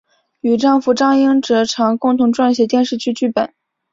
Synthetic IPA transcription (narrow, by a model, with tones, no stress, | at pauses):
y˨˩ʈ͡ʂɑ˥˩ŋfu˧˥ʈ͡ʂɑ˥˧ŋji˥ŋʈ͡ʂɤ˧˥ʈ͡ʂʰɑ˧˥ŋkʊ˥˩ŋt̪ʰʊ˧˥ŋʈ͡ʂwa˥˧nɕ̬jɛ˧˥t̪jɛ˥˧nʂɻ̩˥˧t͡ɕʰy˥˧t͡ɕy˥˩pə˨˩˦n